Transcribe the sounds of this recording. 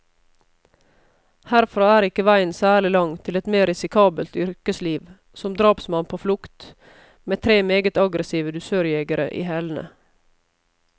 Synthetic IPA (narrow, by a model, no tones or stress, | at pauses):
hæɾfɾɑːæːɾɪkəʋæɪnsæːɭɪlɑŋt̪ʰɪlɛt̪meːɾɪsɪkʰɑːbəlt̪ʏɾkəsliːʋ | sɔmd̪ɾɑːpsmɑnpʰoːflʊkt̪ | meːt̪ʰɾeːmeːɡət̪ɑɡɾəsiːʋəd̪ʉsøːɾjɛɡəɾə̰ʔḭːhɛln̩ə̰